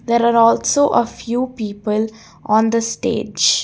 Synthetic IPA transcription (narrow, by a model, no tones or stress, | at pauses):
d̪eːɾaːɾɔːlsoːʔəfjuːpiːpəl | ʔɔ̃ːnd̪əsʈḛːd͡ʒd͡ʒ